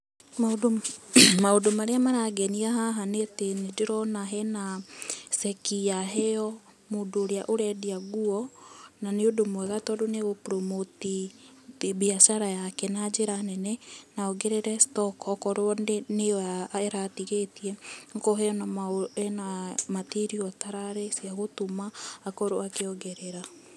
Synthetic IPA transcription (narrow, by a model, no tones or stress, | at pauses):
maodomaodomaɾeamaɾaɡɛniaɦaɦanetenedeɾɔnaɦɛnasɛkiaɦɛɔ | moːndoːɾeaʔoɾɛdiaɣuɔnaneodomwɛɣatɔdoneɣopɾɔmoti | βiaʃaɾajakɛnad͡ʒeɾanɛnɛnaɔɣeɾeɾɛstɔkɔkɔɾoɔneneaɛɾatiɣetiɛŋkɔɦɛɔnaɛnamatiɾiɔtaɾaɾɛsiaɣotomaːkɔɾoakeɔɣɛɾeɾa